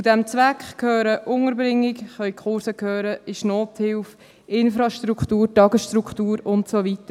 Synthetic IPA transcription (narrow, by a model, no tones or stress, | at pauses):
t͡sudɛmt͡sʋækχkʰhøːɾəʔʊŋəɾbɾɪŋːɪkχœʏkχʊɾsəkhøːɾəɪʃnoːthɪlf | ɪnfɾɑʃtɾukχtuːɾtɑɡəsʃtɾukχtuːɾʊntsoʋitə